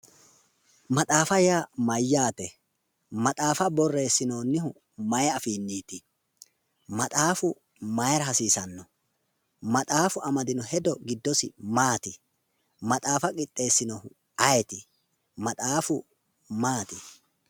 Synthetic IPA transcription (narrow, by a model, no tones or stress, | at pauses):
mɐt̪ʼaːfɐjamɐjːaːt̪ɛ | mɐt̪ʼaːfɐbɔrːe̞ːsːɪnoːnːɪhʊ | mɐjɐfiːnːiːt̪ɪ | mɐt̪ʼaːfʊ | mɐjɾɐhɐsiːsɐnːɔ | mɐt̪ʼaːfʊʔɐmɐd̪ɪnɔhɛd̪ɔɡɪd̪ːɔsɪmaːt̪ɪ | mɐt̪ʼaːfɐkʼɪt̪ʼːe̞ːsːɪnɔhʊ | ʔɐjɛt̪ɪ | mɐt̪ʼaːfʊ | maːt̪ɪ